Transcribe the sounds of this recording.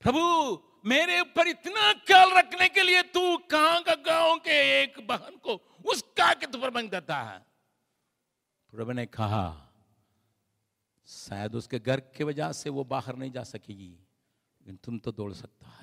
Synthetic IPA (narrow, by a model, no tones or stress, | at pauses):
pɾɐbʱu | meːɾeʊpɐɾɪt̪nakɐːlɾɐkʰnekeliet̪ũkɐɦãkaɡãːõkeeːkbɐɦənko | ʊskaket̪̬upəɾbɐ̃ŋɡd̪eːt̪aɦɛ̰ː | pɾɐbunekɐɦa̰ | sa̰ːjəd̪ʊskeɡɐɾkeʋɐd͡ʒaseʋobaːɦəɾnɐɦĩd͡ʒa̰ːsɐkeːɡi | lleːkɪnt̪ʊmt̪od̪o̰ːlsɐk̚t̪aɦɛː